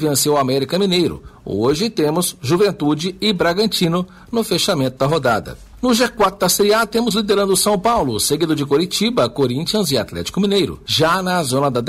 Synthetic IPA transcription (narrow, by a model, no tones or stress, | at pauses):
vẽsewamɛɾikɐminejɾʊ̰oʒɪt̪ẽmʊsʒuvẽnt̪ud͡ʒɪɪbɾaɡɐ̃nt͡ʃĩnʊ | nʊfeʃamẽnt̪ʊd̪ɐɦod̪ad̪ɐ̰ | nʊʒekwat̪̚d̪ɐseɾiat̪ẽmʊzlid̪eɾɐ̃nd̪ʊsɐ̃w̃pawlʊ̰seɡid̪ʊd͡ʒɪkoɾit͡ʃibɐkoɾĩnt͡ʃiɐ̃zɪat̪lɛ̰t͡ʃi̥kʊminejɾʊ̰ʒanɐzõnɐd̪ɐd̪